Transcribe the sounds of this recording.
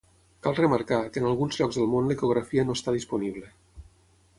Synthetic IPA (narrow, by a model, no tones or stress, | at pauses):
kalˠrəmaɾkakəːnalˠɣunzʎɔɡzðəlˠmonləikoɣ̞ɾafiənoest̪aðispuniβ̞lə